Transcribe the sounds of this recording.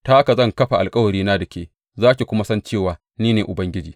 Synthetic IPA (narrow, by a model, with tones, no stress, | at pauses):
ta˦ka˨zɐ˦˨ŋkɐ˦ɸa˨ʔa˨lkʼɐ˦wɐ˨ɽɾiː˦na˦dɐ˨kʲeː˦ | zaː˦kʲe˨kʷʊ˦ma˦sɐ˦nt͡ʃeː˦˨waː˨ | niː˦neː˨ʔʊ˨bɐ˦ŋɡʲɪ˦d͡ʒḭː˨